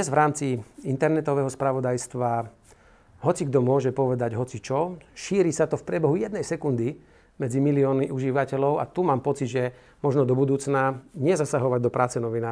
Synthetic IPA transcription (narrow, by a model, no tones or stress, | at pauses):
zʋɾaːmt͡siint̪ɛɾnɛt̪ɔʋɛːɦɔspɾaʋɔd̪ajst̪ʋa | ɦɔt͡siɡd̪ɔmʊɔʒɛpɔʋɛd̪aɟɦɔt͡sit͡ʃɔʃiːɾisat̪ɔfpɾɪɛbɛɦujɛd̪nɛjsɛkund̪i | mɛd͡zimiliɔːniʔuʒiʋacɛlɔʊa̰t̪umaːmpɔt͡sid̪ʒɛ | mɔʒnɔd̪ɔbud̪uːt͡snaɲɪɛzasaɦɔʋaɟ̚d̪ɔpɾʔaːt͡sɛnɔʋinaː